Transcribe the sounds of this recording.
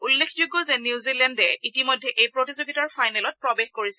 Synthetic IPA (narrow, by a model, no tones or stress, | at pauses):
ulːekʰd͡ʒuɡɔzɛnjuzilɛndɛitimojdʱːɛʔejpɹotizoɡitɔɹfʰajnɛlɔt̚pɹɔbexkoɹisɛ